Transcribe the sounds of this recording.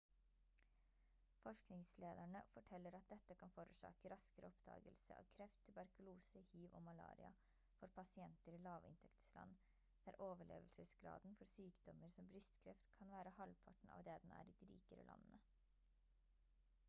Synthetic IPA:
fɔʂknɪŋsleːd̪æɳəfɔʈʰɛlːəɾɑt̪̚d̪ɛt̪ːəkʰɑnfoːɾʉːʂɑ̰ːkəɾɑskəɾəɔpd̪ɑ̰ːɡəlsəɑ̰ʋkʰɾɛft̪ʰʉbæɾkʉluːsəhiːʋo̰ːmɑlɑ̰ːɾɪ̰ɑ | fɔɾpʰɑsɪɛnt̪əɾilɑːʋɪ̰nt̪ʰɛkt̪slɑ̰nː | d̪̥æːɾʔoːʋəɭḛːʋəlsəsɡɾɑ̰ːd̪nfɔɾsyːkd̪ɔməɾsɔmbɾʏst̪kʰɾɛft̪kʰɑnʋæːɾəhɑlpʰɑʈɳ̩ɑ̰ːʋd̪eːd̪ɛnæ̰ːɾiːd̪iɾḭːkəɾə̰lʔɑ̰nnə

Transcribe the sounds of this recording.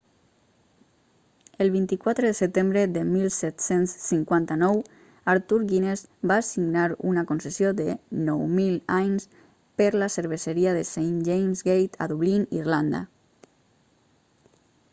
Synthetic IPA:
elˠβ̞int̪ikwat̪ɾəðəsət̪embɾeðəmilˠsɛt̪sensːiŋkwant̪anɔw | aɾt̪uɾɣinezbaːsiɡnaɾṵnakonsesjoðənɔwmilajns | pəɾlasəɾβ̞eseɾiaðesejnd͡ʒejmzɡejt̪ʰa̰ðuβlinḭrland̪a̰

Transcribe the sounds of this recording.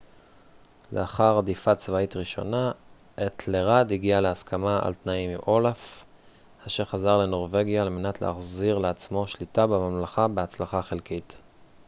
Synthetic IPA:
lḛaχaʁdifat͡svaitʁiʃo̞̰na | ʔetʰleʁadiɡialeaskʰamaa̰ltnaimiʔo̞laf | haʃeʁχazaʁle̞no̞ʁve̞ɡjaːlme̞natlḛaχziʁleat͡smo̞ʃlitabemamlaχabeat͡slaχaχelkit

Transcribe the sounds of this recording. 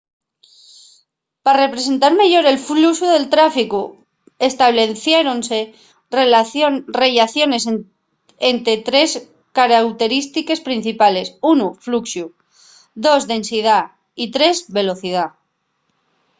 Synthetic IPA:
pare̞pɾe̞s̬e̞nt̪aɾmeʝo̞ɾe̞lflusuðe̞lt̪ɾafiku | est̪aβleθjeɾo̞nse̞ | re̞ʎaθjo̞ne̞s | ent̪ɾe̞t̪ɾe̞s | kaɾawt̪e̞ɾist̪ike̞spɾin̟θipale̞sunufluksju | ðo̞zðe̞nsið̞a | it̪ɾe̞zβe̞lo̞θið̞a

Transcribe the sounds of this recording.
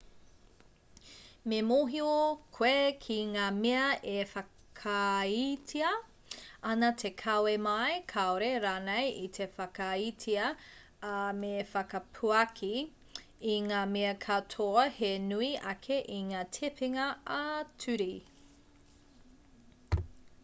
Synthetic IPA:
memoɦiokʰwekʰiŋaːmeɐʔefɐ | kʰɐitʰiɐ | ɐnɐtʰekʰɐwemɐjkʰaoɾeɾaːnejitʰefɐkɐitʰiɐ | mefɐkɐpʰuɐkʰiː | ŋaːmeɐkʰɐtʰoɐhenuiʔɐkʰeʔiŋaːtʰepiŋɐatʰʉɾi

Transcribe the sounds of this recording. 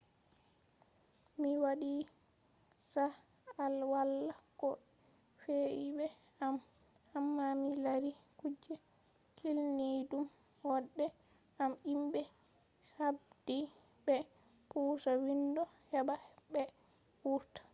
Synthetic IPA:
miwaɗi | sa | alwalːakɔ | feʔibɛ | am | hamːamilaɾikud͡ʒːɛ | kʰilnidum | waɗːɛ | amimbɛ | habd̥i | bɛ | pʰuːsawindɔhɛɓahɛbɛ | wuɾtḁ

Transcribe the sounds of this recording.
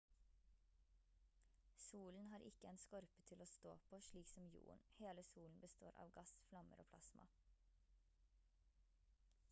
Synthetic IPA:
suːln̩hɑːɾʔɪkəeːnskɔɾpət̪ʰɪloːst̪o̰ːpʰoːʃliːksɔmjṵːənheːləsuːln̩bəst̪o̰ːɾʔɑ̰ːʋɡɑsflɑmə̰ɾo̰ːpʰlɑsmɑ̰

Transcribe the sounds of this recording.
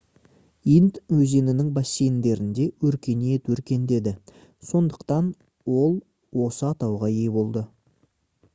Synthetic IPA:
int̪wɵze̞nɪnɪŋbɑsejnd̪e̞ɾɪnd̪e̞wɵɾkʲe̞net̪wɵɾkʲe̞nd̪e̞d̪ɪ | so̞nd̪əqt̪ɑn | wo̞lˠ | wo̞səɑt̪ɑwʁɑje̞bo̞lˠd̪ə

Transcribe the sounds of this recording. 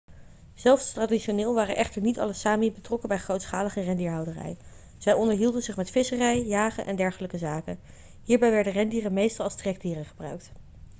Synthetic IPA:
z̥ɛlˠfstradiʃonɪːlˠʋaːrənʔɛχtəɹnitɑ̰ləsaːmibətrɔkəbɛjχrowtsχaːləχərɛndiːɹɦɑwdərɛ̰j | z̥ɛjɔndəɹɦilˠdənzɪχmɛtfɪsərɛjjaːχənʔɛ̰ndɛɹχələkəzaːkə̰ | ɦiːɹbɛjʋɛɹdərɛndiːrənmejstɑlˠɑlˠstrɛɡ̚diːrəχəbrœ̰ɥk̚t

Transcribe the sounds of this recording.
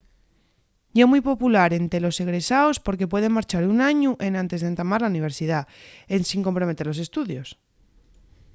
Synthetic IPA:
ɟ͡ʝemujpo̞pulaɾe̞nt̪e̞lo̞se̞ɣɾe̞saospo̞ɾk̬e̞pwe̞ð̞e̞ŋmaɾt͡ʃaɾunaɲuʔe̞nãnt̪e̞zðent̪amaɾlauniβ̞e̞ɾsið̞aensiŋkompɾo̞met̪e̞ɾlose̞st̪uðjo̞s

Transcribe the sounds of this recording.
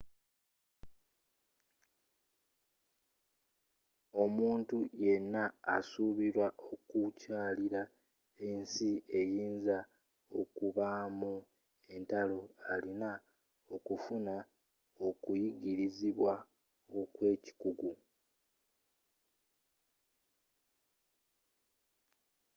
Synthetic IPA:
o̞muːntuje̞nːaːsuβiɾwaʔo̞kucaːliɾa | e̞nsie̞jiːnza | o̞̰kuβaːmu | e̞ntalo̞alina | o̞kufuna | o̞kujiɡiɾiziβwa | okwe̞ːci̥kuɡu

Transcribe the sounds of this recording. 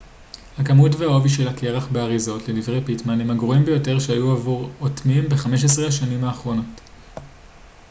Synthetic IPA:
hakamutveao̞viʃe̞lakʰeʁaχbeaʁizo̞tle̞divʁe̞jpitmanemaɡʁoimbejo̞te̞ʁʃehajuavuʁotmimbe̞χame̞ʃ̬es̬ʁeaʃanimhaːχʁo̞no̞t

